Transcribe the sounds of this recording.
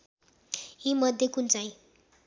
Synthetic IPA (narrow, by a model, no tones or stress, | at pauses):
ĩmʌd̪ʱjekunt͡saj̃